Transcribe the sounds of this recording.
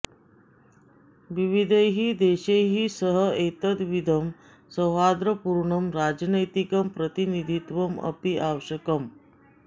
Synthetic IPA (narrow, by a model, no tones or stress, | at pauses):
ʋiʋid̪ʱeɦiːd̪eɕeɦiːsəɦəet̪əd̪ʋid̪ʱəm | səɦad̪ɾəpuɾɳəmɾad͡ʑnəjt̪ikəmpɾət̪inid̪ʱit̪ʋəmə̰piʔaʋɕəkəm